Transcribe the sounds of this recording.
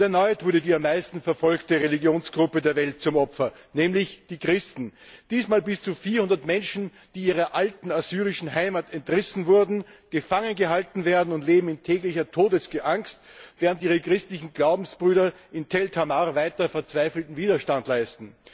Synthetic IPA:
ɛɐnɔʏtv̥ʊɐɾədiːamːaɪstn̩fɛɐfɔlktəʁelɪɡjoːnsɡ̥ʁʊpədeːɐvɛlt̚t͡sʊmɔpfɐ | nɛːmlɪçd̥iːkʁ̥ɪstn̩d̥iːsmaːlbɪst͡suːfiːɐhʊndɐtmɛnʃn̩ | d̥iːiːʁɐʔaltn̩asyːʁɪʃn̩ɦaɪmatɛntʁɪsn̩vʊɐdn̩ɡ̥əfaŋənɡəɦaltn̩veːɐdn̩ʊntleːbm̩ɪntʰɛːklɪçɐtʰoːdəsɡ̥əʔaŋkstvɛːʁəntiːʁəkʁ̥ɪstlɪçn̩ɡlaʊbm̩sb̥ʁyːɾɐ | ɪntʰɛltʰamaʁvaɪtɐfɛɐt͡sv̥aɪfl̩tn̩viːdɐʃtantlaɪstn̩

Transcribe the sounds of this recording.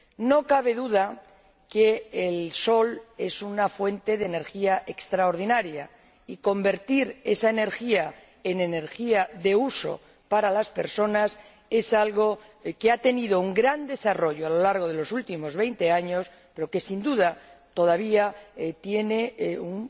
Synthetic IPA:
no̞kaβ̞e̞ðuða | keːlso̞le̞sunafwe̞nt̪e̞ðene̞ɾxiaʔe̞kst̪ɾaoɾð̞inaɾja | iko̞mbe̞ɾt̪iɾe̞saene̞ɾxia | e̞ne̞ne̞ɾxiaðe̞uso̞̰ | paɾalaspe̞ɾso̞nas | e̞salɣo̞ | keat̪e̞nið̞o̞uŋɡɾand̪e̞saro̞ʝoalo̞laɾɣ̞oð̞e̞lo̞sult̪imo̞zβe̞jnt̪e̞aɲo̞s | pe̞ɾo̞ke̞sind̪uðat̪o̞ð̞aβ̞iat̪je̞ne̞uŋ

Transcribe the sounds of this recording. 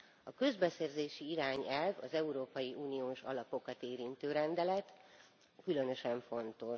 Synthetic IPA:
ɒkø̞zbɛsɛrzeːʃiiɾaːɲɛlvɒzɛuɾoːpɒjiʔuːnijoːʃɒ̰lɒpo̞kɒt̪eːɾint̪øːɾɛnd̪ɛlɛt̪ | kylø̞nø̞ʃɛɱfo̞nt̪o̞

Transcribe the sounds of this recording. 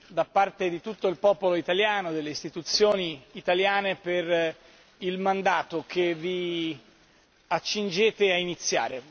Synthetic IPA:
d̪apːart̪ed̪it̪ut̪ːoilpɔːpoloit̪aljaːnod̪elːeist̪it̪ut̪sːjoːniːt̪aljaːneper | ilmand̪aːt̪okevi | at͡ʃːind͡ʒeːt̪eainit̪sːja̰ːɾe

